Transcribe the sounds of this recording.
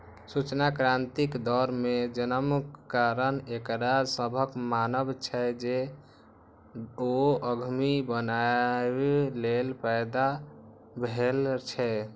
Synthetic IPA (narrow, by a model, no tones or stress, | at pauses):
sut͡ʃnakɾant̪ikd̪ɔɾmed͡ʒənəmkːaɾənekɾasəbʱəkmanəbt͡ʃʰɛd͡ʒe | oəɡʱmibəna | lelpɛjd̪a | bʱelt͡ʃʰɛ